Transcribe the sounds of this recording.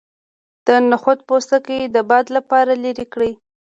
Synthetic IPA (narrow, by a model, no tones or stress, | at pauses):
d̪̥ənaxot̪̚post̪akəd̪əbɑd̪lapɑɾaləɾikɽij